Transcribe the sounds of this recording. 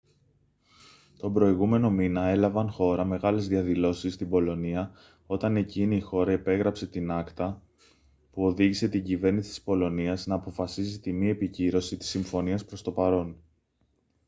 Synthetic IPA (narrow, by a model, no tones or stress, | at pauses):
t̪o̞bɾo̞iɣume̞no̞minɐe̞lɐvɐnxo̞ɾɐme̞ɣɐle̞zðiɐðilo̞sist̪ibo̞lo̞niɐ | o̞t̪ɐne̞ciːneixo̞ɾɐepe̞ɣɾɐpse̞t̪inɐkt̪ɐ | puo̞ðiʝise̞t̪iɲɟive̞ɾnisi̥t̪ispo̞lo̞niɐznɐːpo̞fɐsizit̪imie̞piciɾo̞sit̪i̥sːiɱfo̞niɐspɾo̞st̪o̞pɐɾo̞n